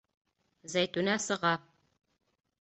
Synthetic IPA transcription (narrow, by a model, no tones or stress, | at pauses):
zæjt̪unæsɤ̆ʁɑ